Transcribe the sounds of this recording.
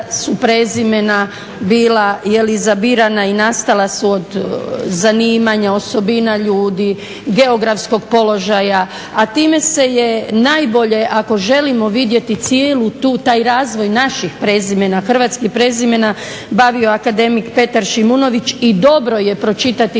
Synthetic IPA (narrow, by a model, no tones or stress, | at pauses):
supɾe̞ːzime̞na | biːlajelizabiɾanainast̪alˠasuod̪zaniːmaɲao̞so̞binaʎuːd̪i | ɡe̞o̞ɡɾafsko̞ɡpo̞lo̞ʒaja | at̪iːme̞se̞je̞najbo̞ʎe̞ʔako̞ʒe̞limo̞ʋid̪je̞t̪it̪sijeːlut̪uːt̪aːjɾaːzʋo̞jnaʃixpɾe̞ːzime̞naxr̩ʋat̪skipɾe̞ːzime̞na | baʋioakad̪e̞mikpe̞t̪aɾʃimuno̞ʋit͡ʃid̪o̞bɾo̞je̞pɾo̞t͡ʃit̪at̪i